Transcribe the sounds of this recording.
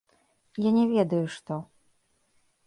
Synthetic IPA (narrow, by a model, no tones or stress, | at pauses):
janʲɛvʲɛd̪ɐjuʂt̪ɔ